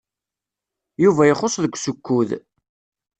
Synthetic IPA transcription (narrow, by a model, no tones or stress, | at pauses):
juvæjəχosˤðəɡʷːsʊkːuð